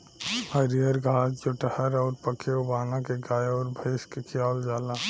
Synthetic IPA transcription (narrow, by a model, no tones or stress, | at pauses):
həɾijəɾɡʱaːd͡ʒd͡ʒoʈəhəɾɔːɾpəkʰeobaːnakeɡaːjɔːɾbʱeːskekʰijaːld͡ʒaːlaː